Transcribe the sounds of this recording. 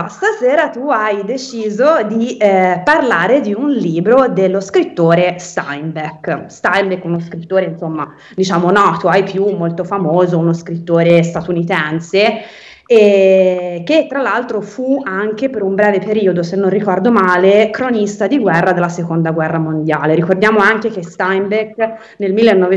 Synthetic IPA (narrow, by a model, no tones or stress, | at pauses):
st̪aseːɾat̪uajd̪et͡ʃiːzod̪iparlaːɾed̪iunliːbɾod̪elːoskɾit̪ːoːɾest̪a̰jmbekst̪ajmbekːunoskɾit̪ːoːɾeinsomːa | d̪it͡ʃaːmonɔːt̪oajpjumːolt̪ofamoːzounoskɾit̪ːoːɾest̪at̪unit̪ɛnse | ɛ | k̟et̪ːɾalːalt̪ɾofuaŋk̟epeɾumbɾɛːvepeɾiːod̪osenːõnrikɔrd̪omaːlekɾonist̪ad̪iɡwɛrːad̪elːasekond̪aɡwɛrːamond̪jaːleɾikord̪jaːmoaŋkek̟est̪ajmbek | nelmilːenːɔe